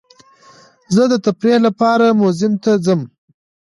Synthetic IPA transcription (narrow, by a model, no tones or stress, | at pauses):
zəd̪ət̪apɾehlapɑɾamʊzɪmt̪azəm